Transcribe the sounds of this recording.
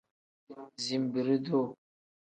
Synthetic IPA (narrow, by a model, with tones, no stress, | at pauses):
zi˨mbɨ˨ɾɨ˦do˦